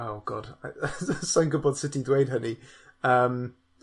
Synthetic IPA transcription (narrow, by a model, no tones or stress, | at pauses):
awɡ̥ɔ̰d̥asɔnɡəbɔd̥sɪtʰidwejdɦəniəːm